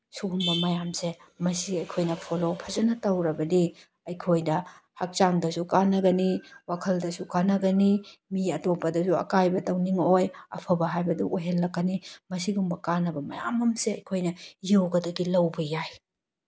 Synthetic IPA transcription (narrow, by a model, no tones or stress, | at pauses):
suɡumbɐmɐjamsemɐsiɐjkʰojnɐpʰolopʰɐzɐnɐtɐwɾɐbɐdi | ɐjkʰojnɐ | hak̚t͡ʃaŋdɐsukanːɐɡɐniwakʰɐldɐsukanɐɡɐnimiɐtopɐdɐsuɐ̰kajbɐtɐwniŋojɐ̰pʰɐbɐɦajbɐduʔojɦelːɐkːɐnimɐsiɡumbɐkanɐbɐmɐja̰mɐmseɐjkʰojnɐjewɡɐdɐɡilɐwbɐjaj